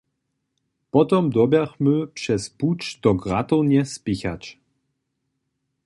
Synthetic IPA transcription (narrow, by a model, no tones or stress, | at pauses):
pɔt̪ɔmd̪ɔbjaxməpʂɛsput͡ʃd̪ɔɡʁat̪ɔwnjɛspixat͡ʃ